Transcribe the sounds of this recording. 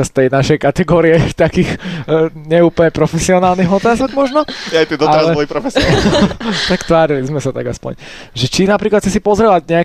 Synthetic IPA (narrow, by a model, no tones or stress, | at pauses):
ast̪ɛjnaʃɛjkat̪ɛɡɔːɾiɛt̪akiːx | ɲɛuːpəɲɛpɾɔfɛsiɔnaːlˠniːɦɔt̪aːzɔɡmɔʒnɔajt̪id̪ɔtaɾazlɛlipɾɔfɛs | t̪akt̪ʋaːɾilizmɛsat̪aɡa̰spɔ̰ɲ | ʒɛt͡ʃinapɾiːklat̪ʰt͡sɛsipɔzɾɛʋaɟɲɛa